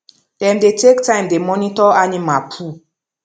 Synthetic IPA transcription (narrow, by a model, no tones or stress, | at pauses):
d̥ɛ̃mdetʰektʰãɪ̃mdemɔnitɔanimapʰu